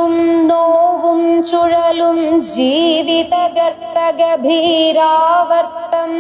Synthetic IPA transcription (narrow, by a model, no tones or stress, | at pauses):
umnoːʋumt͡ʃuɻɐlumd͡ʒiːʋit̪ɐɡɐɾt̪ːɐɡɐbʱiːɾaːʋɐɾt̪ɐm